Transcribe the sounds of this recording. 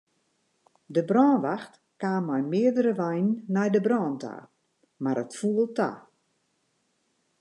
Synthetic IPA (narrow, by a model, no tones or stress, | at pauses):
dəbrɔːnʋaxt | kaːmːɔjmɪədəɾəʋajnːajdəbrɔːntʰa̰ː | maɾətfuəlˠta̰